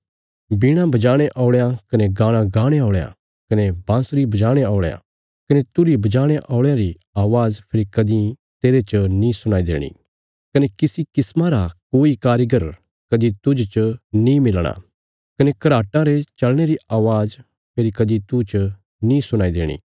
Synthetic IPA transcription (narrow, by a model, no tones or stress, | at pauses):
biːɽ̃ãbɐd͡ʒaːɽ̃eʔɔːɭjãkɐneɡaːɽ̃ãɡaːɽ̃eaːɭjã̰ | kɐnebãːsɾibɐd͡ʒaːɽ̃eaːɭjã̰ | kɐnet̪ʊɾibɐd͡ʒaːɽ̃eʔɔːɭjãɾi | aːʋaːzpʰɪɾikɐd̪ĩ | t̪eːɾet͡ʃnĩsʊñaːid̪ḛːɽ̃ḭ | kɐnekɪsikɪsmãɾakoːikaːɾjɡəɾ | kɐd̪it̪ʊd͡ʒt͡ʃnĩmɪlɽ̃a̰ | kɐnekɐɾaːʈãɾet͡ʃɐlɽ̃eɾiaːʋaːz | pʰɪɾikɐd̪it̪ut͡ʃ | nĩsʊñaːid̪eːɽ̃ḭː